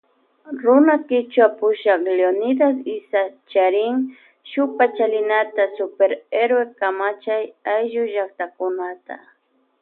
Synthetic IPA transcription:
ɾʊnakɪt͡ʃwapʊʃɑχleonɪd̪asɪsat͡ʃaɾɪŋ | ʃʊpat͡ʃalɪnat̪asʊpeɾeɾwekamat͡ʃajajʒʊʒak̚t̪akʊnat̪a̰

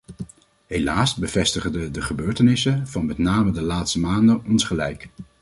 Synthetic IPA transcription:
ɦejlaːsbəvɛstəχndədəχəbøːɹtənɪsənv̥ɑnmɛtnaːmədəlaːtstəmaːndənɔnsχəlɛjk

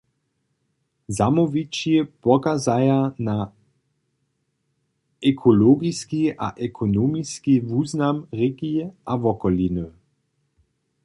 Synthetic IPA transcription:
zamɔvit͡ʃjepɔkazajana | ɛkʰɔloɡiskiʔa̰ʔɛkʰonomiskivuːznamʁeɡiɛʔavɔkɔlinə

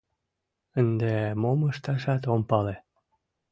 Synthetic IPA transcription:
ənd̪emoməʃt̪ɑʃɑt̪ompɑle

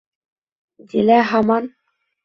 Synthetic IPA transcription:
d̪ʲilæɦɑmɑn

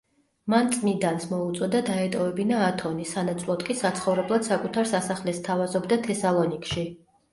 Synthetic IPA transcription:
mant̪sʼmid̪ansmɔut̪sʼɔd̪ad̪aɛt̪ʼɔvɛbinaːt̪ʰɔnisanat̪sʰʼlˠɔd̪kʼisat̪sʰχɔvɾɛblˠad̪̥sakʼut̪ʰaɾsasaχlɛst̪ʰavazɔbd̪at̪ʰɛsalˠɔnikʼʃi

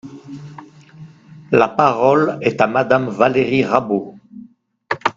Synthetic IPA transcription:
lapaʁɔlɛt̪amad̪amvaleʁiʁabo

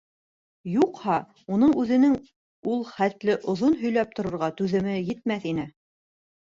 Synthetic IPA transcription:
juqhɑ | unɤɴʉðɘ̆nɘŋ | ulˠχæt̪lɘʔŏðonɦɵ̆jlæp̚t̪ŏɾŏɾʁɑt̪ʉðɘ̆mɘjɘ̆t̪̚mæθinɘ

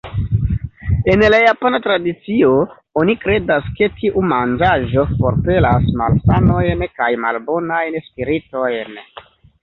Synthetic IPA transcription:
e̞nlajapanatɾadit͡sio̞ | onikɾe̞daske̞tʰiʔumand͡ʒaʒo̞fo̞ɾpe̞lasma̰lsano̞jnkajma̰lbo̞najnspiɾito̞jn

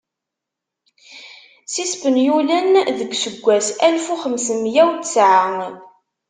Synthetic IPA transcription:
sispənjulænðəɡʷsəɡʷːæsælfuχəmsəmjæwt̪sʕa

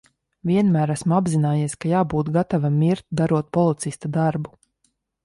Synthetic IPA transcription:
vʲiɛnmæːɾæsmuabzinaːjiɛskajaːbuːt̪ɡat̪avamʲiɾt̪̚d̪aɾuɔt̪̚pɔlˠit̪sist̪ad̪aɾbu

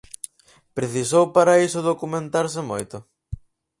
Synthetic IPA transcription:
pɾeθisowpaɾɐisʊðokumẽnt̪aɾsɪmojt̪ʊ

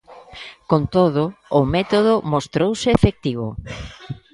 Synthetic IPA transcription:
kont̪oðʊʊmɛt̪oðʊmost̪ɾowsɪefek̚t̪iβʊ̰

